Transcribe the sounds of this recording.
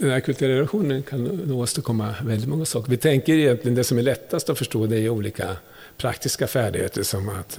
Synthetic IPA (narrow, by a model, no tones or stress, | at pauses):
d̪ɛnhæɾkʰɵlt̪ːɾɛlaɧuːnənkʰanːoːst̪əɾkʰɔmːavɛld̪ɪt̪mɔŋːasɑːkəɾvɪt̪ʰɛŋkəɾɪjɛnt̪lɪɡənd̪ɛsɔmæɭɛt̪ʰːast̪ɔfœʂʈoːd̪ɛæuːliːkʰa̰ | pʰɾa̰kt̪ɪskafæːɖɪɡhḛːt̪əʂɔmat̪